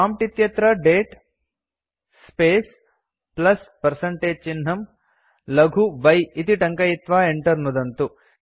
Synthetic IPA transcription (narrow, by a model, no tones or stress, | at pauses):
aːmʈit̪jɐt̪ɾɐɖeːʈ | speːs | plɐspɐɾsɐɳʈeːd͡ʒt͡ʃinːɐm | lɐɡʱuʋɐjit̪iʈɐŋkɐjit̪ʋaːeɳʈɐɾnud̪ɐnt̪u